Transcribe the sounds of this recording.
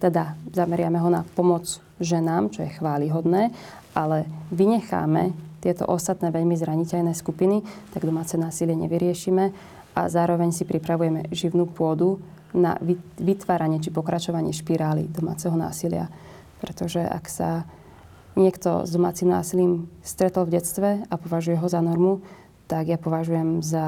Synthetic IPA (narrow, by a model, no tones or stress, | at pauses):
t̪ɛd̪azamɛɾɪamɛɦɔna̰pɔmɔd͡z | ʒɛnaːmt͡ʃɔjɛxʋaːliɦɔd̪nɛː | ʔalɛʋiɲɛxa̰ːmɛt̪ɪɛt̪ɔ̰ʔɔst̪at̪nɛːʋɛʎmizɾaɲicɛʎnɛːskupinit̪aɡd̪ɔmaːt͡sɛnaːsilɪɛɲɛ̰ʋiɾɪɛʃimɛ | a̰zaːɾɔʋɛɲsipɾipɾaʋujɛmɛʒiʊnuːpʊɔd̪u | na̰ʋʋit̪ʋaːɾaɲɪɛt͡ʃipɔkɾat͡ʃɔʋaɲɪɛʃpiɾaːlḭd̪ɔma̰ːt͡sɛɦɔna̰ːsilɪa̰ | pɾɛt̪ɔʒɛa̰ksa | ɲɪɛkt̪ɔ̰zd̪ɔmaːt͡simna̰ːsiliːmst̪ɾɛt̪l̩vɟɛt͡st̪ʋɛapɔʋaʒujɛɦɔzanɔɾmu | t̪aɡjapɔʋaʒujɛmza